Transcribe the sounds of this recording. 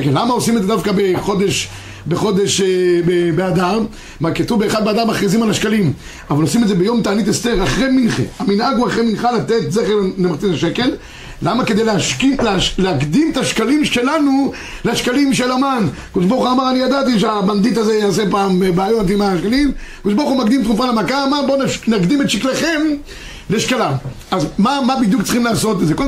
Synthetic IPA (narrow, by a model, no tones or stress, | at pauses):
kelːamaosimed̪zed̪afkabe̞χo̞d̪e̞ʃ | beχo̞d̪e̞ʃebebead̪am | makat̪uvbeeχad̪bead̪amːaχʁizimalaʃkalim | avalo̞simed̪zebejo̞mt̪aːnit̪est̪e̞ʁaχʁeminχḛaminaɡuaχʁejminχalat̪e̞t̪zeχeʁlemaʁt͡sizaʃeke̞lː | amake̞d̪ejleaʃkilealeakd̪imet̪aʃkalime̞lanu | leaʃkalimʃelamankod̪eʃbaʁuχuamaʁanijad̪at̪iʃeaband̪it̪̬azejaːs̬epaːmebaajont̪imaʃkalimkod̪eʃbaʁχumakd̪imt̪ʁufalemakamanbonnakd̪imet̪ʃikleχe̞m | leʃkalam | azmamabid̪jukt͡sχimlaːso̞t̪ezeko